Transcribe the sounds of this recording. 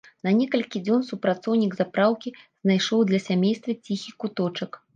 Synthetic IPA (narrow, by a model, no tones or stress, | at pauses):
nɐnʲɛkɐlʲkʲid͡zʲɔnsupɾat̪sɔwnʲiɡzapɾawkʲiz̥najʂɔwd̪lʲɐsʲamʲejst̪vʲɐt͡sʲixʲikut̪ɔt͡ʂɐk